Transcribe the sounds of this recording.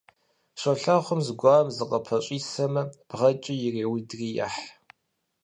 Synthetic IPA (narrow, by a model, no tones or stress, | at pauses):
ɕʷʼɐɬaχʷʊmzɡʷɑːmzɨqʼɐpʰɐɕʼiːsɐmɐb̥ʁɐt͡ʃʼɪjɪreːwidriːja̰ħ